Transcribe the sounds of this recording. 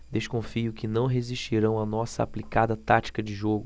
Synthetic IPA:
d̪eʃkõfiʊkɪnɐ̃w̃ɦeziʃt͡ʃiɾɐ̃w̃ɐnɔsɐ̰a̰plikad̪ɐt̪at͡ʃi̥kɐd͡ʒɪʒoɡʊ

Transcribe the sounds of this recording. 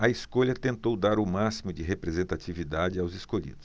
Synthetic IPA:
ɐiskoʎɐt̪ẽnt̪owd̪aɾʊmasimʊd͡ʒɪɦepɾezẽnt̪at͡ʃivid̪ad͡ʒɪawzɪskoʎḭd̪ʊs

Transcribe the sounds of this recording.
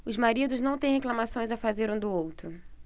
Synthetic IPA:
ʊzmaɾid̪ʊznɐ̃w̃t̪ẽj̃ɦeklɐmasõj̃zafazeɾũd̪ʊowt̪ɾʊ

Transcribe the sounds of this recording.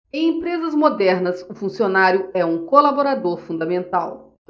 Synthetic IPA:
ẽj̃ẽpɾezɐzmod̪ɛɾnɐsʊfũsionaɾjʊɛũkolaboɾad̪oɾfũnd̪ɐmẽnt̪aw

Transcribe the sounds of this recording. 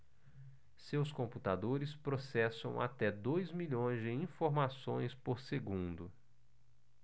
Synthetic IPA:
sewskõmput̪ad̪oɾɪspɾosɛsɐ̃w̃ʔa̰t̪ɛd̪ojzmiʎõj̃zd͡ʒɪĩfoɾmasõj̃spoɾseɡũnd̪ʊ

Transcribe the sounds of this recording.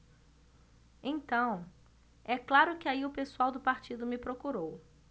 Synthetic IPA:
ẽt̪ɐ̃w̃ | ɛklaɾʊkɪaiʊpesuawd̪ʊpaɾt͡ʃid̪ʊmɪpɾokuɾow

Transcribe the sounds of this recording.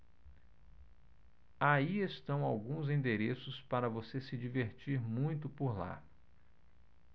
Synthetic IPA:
aiest̪ɐ̃w̃awɡũzĩnd̪eɾesʊspaɾɐvosesɪd͡ʒiveɾt͡ʃiɾmũj̃t̪ʊpoɾla̰

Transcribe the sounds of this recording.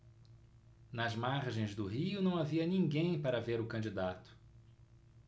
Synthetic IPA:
nɐzmaɾʒẽj̃zd̪ʊɦiʊnɐ̃w̃aviɐnĩŋɡẽj̃paɾɐveɾʊkɐ̃nd͡ʒid̪at̪ʊ̥

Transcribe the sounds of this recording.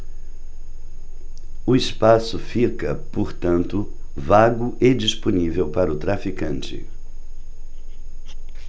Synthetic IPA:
ʊɪspasʊfikɐpoɾt̪ɐ̃nt̪ʊ | vaɡʊʔɪd͡ʒisponivewpaɾɐʊt̪ɾafikɐ̃nt͡ʃɪ̰

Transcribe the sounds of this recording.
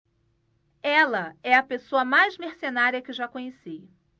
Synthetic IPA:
ɛlɐɛɐpesoɐmajzmeɾsenaɾiɐkɪʒakõɲesij

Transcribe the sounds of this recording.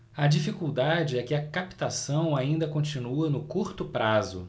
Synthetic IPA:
ɐd͡ʒifikuwd̪ad͡ʒɪɛkɪɐkapi̥t̪asɐ̃w̃aĩnd̪ɐkõt͡ʃinuɐnʊkuɾt̪ʊpɾazʊ̰

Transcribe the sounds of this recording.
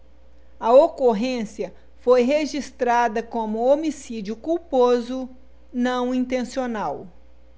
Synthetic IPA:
ɐokoɦẽsiɐ | fojɦeʒist̪ɾad̪ɐkõmʊomisid͡ʒiʊkuwpozʊ | nɐ̃w̃ĩnt̪ẽsionaw

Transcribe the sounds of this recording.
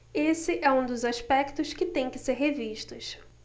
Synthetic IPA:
esɪʔɛũd̪ʊzaʃpɛkt̪ʊʃkɪt̪ẽj̃kɪseɾɦeviʃt̪ʊʃ

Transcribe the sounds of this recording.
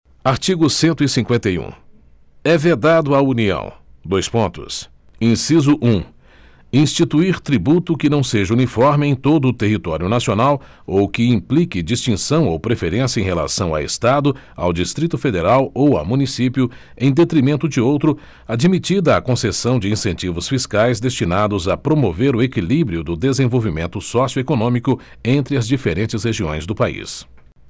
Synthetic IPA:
aɾt͡ʃiɡʊsẽnt̪ʊisĩŋkwẽnt̪ejṵ̃ | ɛved̪ad̪ʊauniɐ̰̃w̃d̪ojspõnt̪ʊ̰s | ĩsizʊʔũ | ĩst͡ʃit̪uiɾt̪ɾibut̪ʊkɪnɐ̃w̃seʒɐunifɔɾmɪẽj̃t̪od̪ʊːt̪eɦit̪ɔɾiʊnasionaw | owkɪĩplikɪd͡ʒist͡ʃĩsɐ̃w̃owpɾefeɾẽsjɐẽj̃hela̰sɐ̃w̃a̰ḛst̪ad̪ʊ | a̰wd͡ʒist̪ɾit̪ʊfed̪eɾawowa̰wmũnisipjʊ | ẽj̃d̪et̪ɾimẽnt̪ʊd͡ʒɪowt̪ɾʊ | ad͡ʒimit͡ʃid̪ɐːkõsesɐ̃w̃d͡ʒɪĩsẽnt͡ʃivʊsfiskajzd̪est͡ʃinad̪ʊzɐpɾomoveɾʊekilibɾiʊd̪ʊd̪ezẽvowvimẽnt̪ʊsɔsjʊekonõmikʊ | ẽnt̪ɾɪɐzd͡ʒifeɾẽnt͡ʃɪsheʒiõj̃zd̪ʊpaḭs

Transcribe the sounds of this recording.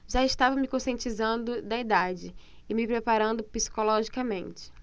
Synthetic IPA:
ʒaɪʃt̪avɐmɪkõsiẽnt͡ʃizɐ̃nd̪ʊd̪ɐid̪ad͡ʒɪ | ɪmɪpɾepaɾɐ̃nd̪ʊpisi̥kolɔʒikɐmẽnt͡ʃɪ̥

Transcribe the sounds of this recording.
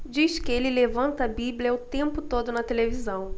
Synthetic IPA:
d͡ʒiʃkɪelɪlevɐ̃nt̪ɐbiblʲiɐʊt̪ẽmpʊt̪od̪ʊnɐt̪elevizɐ̃w̃

